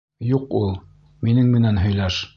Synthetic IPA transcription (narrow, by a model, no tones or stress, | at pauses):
juqulˠ | minɘŋmɘ̆nænɦɵ̆jlæʃ